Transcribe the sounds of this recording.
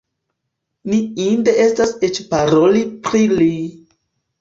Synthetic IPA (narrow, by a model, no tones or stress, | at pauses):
niinde̞ʔe̞stase̞t͡ʃpaɾo̞lipɾili